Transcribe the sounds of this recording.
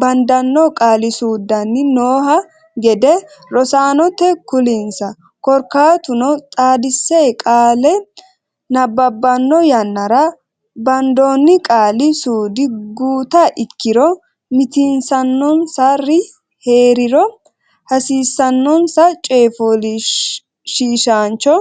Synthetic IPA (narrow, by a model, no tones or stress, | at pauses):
bɐnd̪ɐnːɔkʼaːlɪsuːd̪ɐnːɪnoːhɐ | ɡɛd̪ɛɾɔsaːnɔt̪ːɛkʊlɪnsɐ | kɔɾkaːt̪ʊnɔt̪ʼaːd̪ɪsːeːkʼaːlɛ | nɐbːɐbːɐnːɔjɐnːɐɾɐ | bɐnd̪oːnːɪkʼaːlɪsuːd̪ɪɡuːt̪ɐʔɪkːɪɾɔ | mɪt̪ɪnsɐnːɔnsɐrɪ | he̞ːɾɪɾɔ | hɐsiːsːɐnːɔnsɐt͡ʃʼeːfolɪ | ʃiːʃaːnt͡ʃːɔ